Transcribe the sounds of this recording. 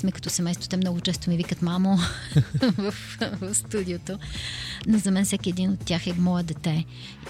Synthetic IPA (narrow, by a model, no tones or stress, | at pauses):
smɛkɐt̪ɔsɛmɛjst̪vot̪ɛmnɔɡʊt͡ʃɛst̪omɛvikət̪mamo | vəf | vəfst̪ud̪iot̪onozɐmɛnfsɛkʲiɛd̪inot̪ːʲjaxɛmɔjəd̪ɛt̪ɛ